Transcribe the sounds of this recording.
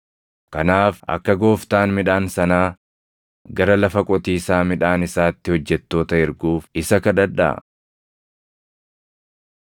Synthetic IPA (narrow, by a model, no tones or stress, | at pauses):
kɐnaːfɐ̰kːɐɡo̞ːft̪aːnmɪᶑaːnsɐnaː | ɡɐɾɐlɐfɐkʼɔt̪iːsaːmɪᶑaːnɪsaːt̪ːɪhɔd͡ʒːɛt̪ːo̞ːt̪ɐɪɾɡuːfɪsɐkɐd̪ɐᶑɐ̰